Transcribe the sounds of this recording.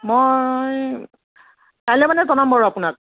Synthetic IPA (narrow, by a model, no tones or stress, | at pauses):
mɔj | tajlɛmanɛzɔnambɔɹɔapunak̚